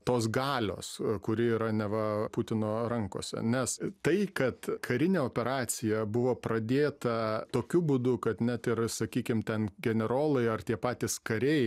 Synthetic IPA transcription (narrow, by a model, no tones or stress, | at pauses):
t̪oːs̬ɡɑːlʲo̰ːskʊɾʲɪiːɾɐnʲɛʋɐpʊt̪ʲɪnoːɾɐŋko̰ːsʲɛ̰nʲɛst̪ɐɪkɐt̪kʰɐɾʲɪnʲeːoːpʲɛɾɑːt͡s̪ʲɪjɛbʊʋoːpɾɐd̪ʲeːt̪ɐt̪oːkʲʊbuːd̪ʊkɐt̪nʲɛt̪ɪrsɐkʲiːkʲɪmt̪ʲɛnɡʲɛnʲɛɾoːlˠɐɪɐrt̪ʲiɛpɑːt̪ʲɪskɐɾʲɛɪ